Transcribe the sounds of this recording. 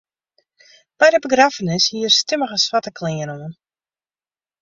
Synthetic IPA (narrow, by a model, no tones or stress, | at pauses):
b̥ɛjdəbəɡrafənɪshiərstɪməɣəsfatəkʰlɪənoən